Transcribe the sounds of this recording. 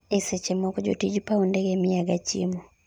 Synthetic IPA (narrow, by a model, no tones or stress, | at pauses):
esɛt͡ʃɛmɔkɔd͡ʒo̰tid͡ʒpaundɛɡɛmiaɡat͡ʃḭmɔ